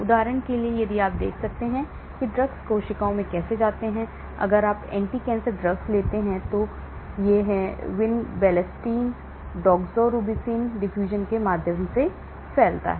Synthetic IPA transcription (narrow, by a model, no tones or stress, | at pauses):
ʊd̪aːɾəɽ̃keliejebʱieaːp̚d̪ḛːkʰsɐk̚t̪eɦɛ̃ | kiɖɾɐɡskoːʃɪkaõmẽkɛːsed͡ʒaːt̪eɦɛ̃ | ɐ̰ɡəɾaːpɛ̰̃ːɳʈikɛ̃ːnsəɾɖɾɐɡsleːt̪eɦɛ̃t̪o | jeɦɛʋɪnbɛːlɛsʈiːn | ɖɔːɡzɔːɾuːbisiːnɖɪfjuːʒənkemaːd̪ʱjəmse | fɛːlt̪a̰ɦɛː